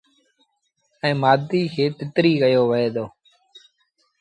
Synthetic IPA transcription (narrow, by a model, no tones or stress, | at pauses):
ɛ̃ːmaːd̪iːkʰeːt̪ɪt̪ɾiːkəjoːʋəɦeːd̪oː